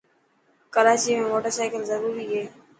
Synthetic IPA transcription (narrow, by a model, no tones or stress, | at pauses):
kəɾaːt͡ʃiːmẽːmoːʈəɾsaːkəlzəɾuːɾiːɦeː